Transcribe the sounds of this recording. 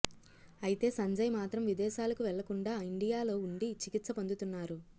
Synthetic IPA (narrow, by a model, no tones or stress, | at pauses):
ɐjit̪e̞ːsɐɲd͡ʒɐjɐmaːt̪ɾɐmʋid̪ɛːʃaːlɐkuʋɛɭːɐkuɳɖaːiɳɖijaːlo̞ːuɳɖit͡ʃikit̪sɐpond̪ut̪unːaːɾu